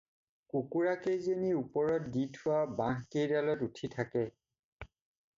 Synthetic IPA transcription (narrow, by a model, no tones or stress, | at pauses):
kukuɹakejzeniupɔɹɔt̚ditʰʊwabãɦkejdalɔtutʰitʰakɛ